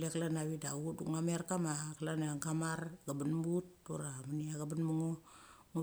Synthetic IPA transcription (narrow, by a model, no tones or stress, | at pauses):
leklanaβidaɡuduŋameaɾkamakalanaŋkamarɡabanmut̚ːṵɾamaniaɡabanmuŋoŋu